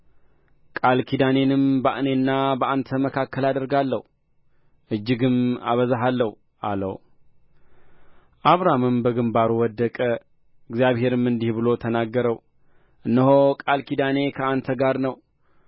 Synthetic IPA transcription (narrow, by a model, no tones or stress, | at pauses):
kʼalkʰid̪ane̞nɨmbəʔnenːabəʔant̪ʰəməkʰakːəlad̪əɾɡalːəhu | ʔɨd͡ʒːɪɡɨma̰βəzaɦalːəhu | ʔa̰lə̰w | ʔaβɾamɨmbəɡɨmbaɾuwɔd̪ːəkʼə | ɨɡzjaβhe̞ɾɨmːɨnd̪ihbɨlo̞t̪ʰənaɡːəɾəw | ʔɨnːəɦokʼalkʰid̪ane̞kʰəant̪ʰəɡaɾnəw